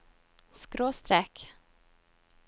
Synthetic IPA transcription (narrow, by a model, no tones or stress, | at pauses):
skɾoːst̪ɾɛk